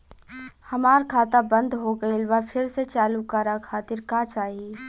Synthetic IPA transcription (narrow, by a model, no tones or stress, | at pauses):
hɐmaːɾkʰaːt̪abɐ̃nd̪ɦoɡɐilʋɐpʰɪɾset͡ʃaːlukaɾakʰaːt̪ɪɾkaːt͡ʃaːɦie